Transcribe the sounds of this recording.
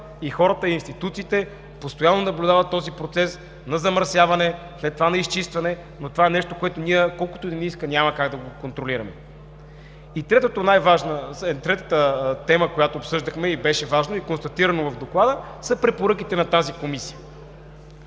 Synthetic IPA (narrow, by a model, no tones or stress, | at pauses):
ixɔɾət̪əiiːnst̪it̪ut̪siːt̪ɛ | post̪ojanːonɐblʲud̪avɐt̪ːɔzipɾot̪sɛs | nɐzɐməɾsjavɐnɛ | slɛt̪t̪ːovanɐist͡ʃist̪vɐnɛ | not̪ovaɛnɛʃt̪okoɛt̪oniɛkɔlˠkʊ̥t̪od̪iniskənʲaməkaɡd̪ɐɡokont̪ɾoliɾɐmɛ | it̪ɾɛt̪ot̪onajvaʒnəɛt̪ɾɛt̪ət̪ət̪ɛməkojat̪oːpsɤʒd̪əxmɛibɛʃɛvaʒnoikonst̪ɐt̪iɾɐnovɐvd̪oklˠad̪ə | səpɾɛpoɾɤkit̪ɛnɐt̪azikomisijə